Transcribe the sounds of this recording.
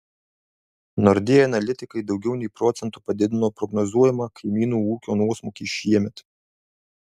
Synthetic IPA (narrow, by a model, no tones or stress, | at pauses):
nɔɾʲd̪ʲeːjɛɐnɐlʲɪt̪ʲɪkɐɪd̪ɒʊɡʲɛʊnʲɛɪpɾɔt̪sʲɛnt̪uːpɐd̪ʲɪd̪ʲɪnoːpɾɔɡnɔzuɔjɛmɑkʰɐɪmʲiːnuːuːkʲoːnuɔsmoːkʲiːʃʲiɛmʲɛt̪